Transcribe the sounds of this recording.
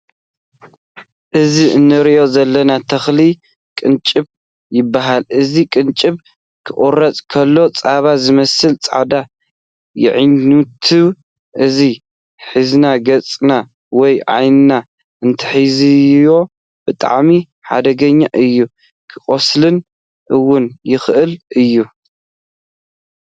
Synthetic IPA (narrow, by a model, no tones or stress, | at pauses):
ʔɨziɨnːɨɾiʔo̞zɐlːɐnat̪ʰɐxli | kʼɨnt͡ʃʼɨβ | jɪbːaɦalʔɨzikʼɨnt͡ʃʼɨβ | kʰɨʔʼorɐt͡sʼkʰɐlːo̞t͡sʼaβazɨmɐsɨlt͡sʼa̰ʕd̪a | jɪ̰ʕɨɲːut̪ʰɨβ | ʔɨzi | ħɨznaɡɐt͡sʼna | wɔjʕa̰jnɨna | ʔɨnt̪ʰɨ̥ħizijo̞ | b̥ɨt̪ʼa̰ʕmi | ħa̰d̪ɐɡɐɲːaʔɨjːu | kʰɨχʼoslɨn | ʔɨwːʊnjɪxʔɨlʔɨjːu